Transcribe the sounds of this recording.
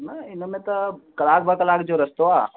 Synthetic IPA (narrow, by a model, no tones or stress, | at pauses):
nɐɪnəmẽt̪ɐkɐlaːk̚bʱakəlaːkd͡ʒoɾəst̪oaː